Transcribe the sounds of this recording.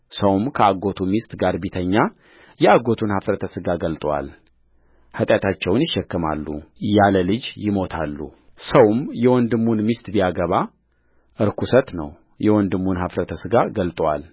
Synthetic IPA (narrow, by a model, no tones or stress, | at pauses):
səwmkʰəaɡo̞t̪ʰumist̪ʼɡaɾbit̪ʰəɲːa | jɛaɡo̞t̪ʰunhafɾət̪ʰəsɨɡaɡəlt̪ʼwa̰l | hət̪ʼjat̪ʰat͡ʃːɛwnjɪʃːɛkːɨma̰lːṵjaləlɨd͡ʒjɪmo̞t̪ʰalːṵ | səwmjɛwɔnd̪ɨmːunmist̪ʼbijaɡəβa | ʔɨɾkʰusət̪nəw | jɛwɔnd̪ɨmːunhafɾət̪ʰəsɨɡaɡəlt̪ʼwal